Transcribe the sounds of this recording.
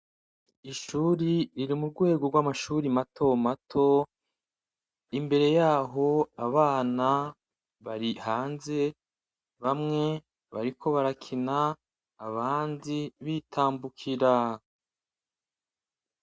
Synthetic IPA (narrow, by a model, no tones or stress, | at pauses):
iʃuːɾiɾiɾimuɾɡwe̞ːɡoɾɡwamaʃuɾimatʰo̞matʰo̞ | imbe̞ɾe̞jaːɦo̞aβaːna | βaɾihaːnze̞ | βamŋe̞ | βaɾikʰo̞βaɾakʰinaː | βaːndiβitʰaːmbukʰiɾa